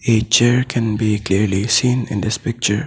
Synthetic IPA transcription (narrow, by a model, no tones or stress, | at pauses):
et͡ʃɛɹkʰɛ̃nbikliɹlisĩːnɪ̰̃nd̪ɪspɪk̚t͡ʃəɹ